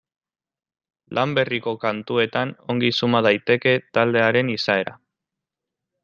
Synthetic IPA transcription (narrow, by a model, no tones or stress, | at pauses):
lʔambe̞riko̞kant̪ue̞t̪ano̞ŋɡisumað̞ajt̪e̞ke̞t̪ald̪e̞aɾe̞nisae̞ɾa̰